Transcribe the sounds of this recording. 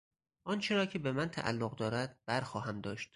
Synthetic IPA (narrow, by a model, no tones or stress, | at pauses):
ʔɒnt͡ʃʰeɾɒːcʰebemænt̪ʰæ̰ʔæ̰lːoɣd̪ɒːɾæd̪̥̚b̥æɾxɒːɦæmd̪ɒːʃt̪